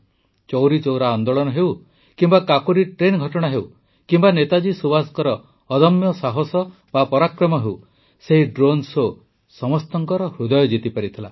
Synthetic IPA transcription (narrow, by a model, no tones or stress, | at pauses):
t͡ʃɔwɾit͡ʃowɾaɔnd̪ɔɭɔnɔɦew | kimbakakoɾiʈɾenɡʱɔʈɔɽ̃aɦew | kimbanet̪ad͡ʒisubasɔ̥kɔɾɔː | d̪ɔmjɔsaɦɔsɔ | bapɔɾakɾɔmɔɦew | seɦiɖɾonso | sɔmɔst̪ɔŋkɔɾɔhɾud̪ɔjɔd͡ʒit̪ipaɾit̪ʰila̰